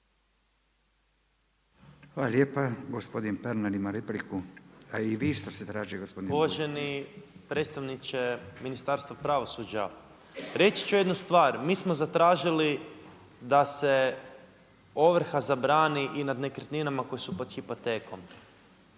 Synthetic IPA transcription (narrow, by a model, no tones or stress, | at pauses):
xʋalaljeːpaɡospo̞d̪inpeɾnaɾimaɾeplikʰuaiʋist̪oset̪ɾaːʒiɡospod̪inuʋoʒe̞nipɾet̪st̪aʋnit͡ʃeminist̪aːɾst̪ʋapɾaʋo̞sud͡ʒa | ɾe̞t͡ʃi̥t͡ʃujed̪nust̪ʋaːɾmiːsmozat̪ɾaːʒili | d̪ase | o̞ʋr̩xazabɾaːniʔinad̪nekrt̪ninamako̞jesupo̞d̪xipo̞t̪e̞ːko̞m